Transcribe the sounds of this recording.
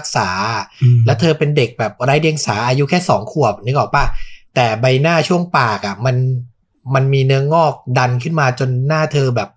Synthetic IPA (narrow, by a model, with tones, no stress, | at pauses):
k̚saː˩˦lɛː˦˥wt̪ʰɤː˧pe˧nde˨˩k̚bɛː˨˩p̚ɾaː˦˥jdi˧əŋsaː˩˦ʔaː˧ju˦˥kʰɛː˥˩sɔː˩˦ŋkʰu˨˩əp̚niː˨˦˥kɔ˨˩paː˥˩t̪ɛː˨˩ba˧jnaː˥˩t͡ɕʰu˥˩əŋpaː˨˩k̚a˨˩ma˧n | ma˧nmiː˧nɯ˦˥əŋɔː˥˩k̚da˧nkʰɯ˥˩nmaː˧t͡ɕo˧nːaː˥˩t̪ʰɤː˧bɛː˨˩p̚